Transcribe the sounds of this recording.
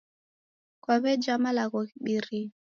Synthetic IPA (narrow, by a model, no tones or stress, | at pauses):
kwaβɛd͡ʒamalaɣɔkiɓiɾi